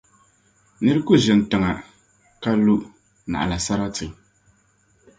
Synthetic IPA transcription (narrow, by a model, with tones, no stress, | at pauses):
nɨ˦ɾɨ˦kʊ˦ʒɪ˨n˨tɨ˨ŋa˨ | ka˦lu˦ʔ | na̰˨ʔa̰˨la˨sa˦ɾa˦tɨ˨ŋ